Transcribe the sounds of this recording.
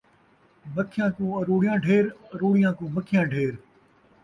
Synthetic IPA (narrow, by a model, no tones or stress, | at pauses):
mɐkʰːɪjãːkũːɐɾuːɽijãːɖʱeːɾɐɾuːɽɪjãːkũːməkʰɪjãːɖʱeːɾ